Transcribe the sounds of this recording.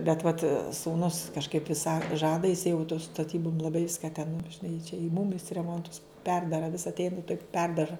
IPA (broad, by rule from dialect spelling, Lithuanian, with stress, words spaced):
bʲɛt ʋɐt suːˈnʊs kɐʃˈkɐɪp ʋʲɪs sɐ ˈʒɑːdɐ jɪs jɛʊ tʊ stɐˈtʲiːbʊm lˠɐˈbɐɪ ˈʋʲɪskɐ tʲɛn nʊ ʒʲɪˈnɐɪ ɪ t͡ʃʲɛ ɪ mʊm jɪs rʲɛˈmoːntʊs ˈpʲɛrdɐrɐ ʋʲɪs ɐtʲˈɛɪn toːk ˈpʲɛrdɐʒɐ